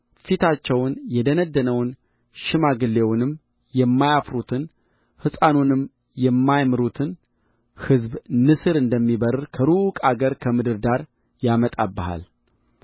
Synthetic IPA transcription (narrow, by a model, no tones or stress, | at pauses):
fit̪ʰat͡ʃːɛwnjɛd̪ənəd̪ːənəwn | ʃɪmaɡɨlːe̞wnɨm | jɛmːajafɾut̪ʰɨn | hɨsʼanonɨm | jɛmːajmɨɾut̪ʰɨn | hɨzbnɨsɨɾɨnd̪əmːibəɾkʰəɾukʼaɡəɾkʰəmɨd̪ɨɾd̪aɾ | jamət̪ʼabːəha̰l